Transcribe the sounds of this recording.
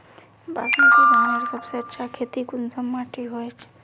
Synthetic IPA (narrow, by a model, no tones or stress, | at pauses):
basnãkeɾʱənəɾsəbseətːʃʰakʰet̪ikunsəmːaʈiɦojt͡ʃʰ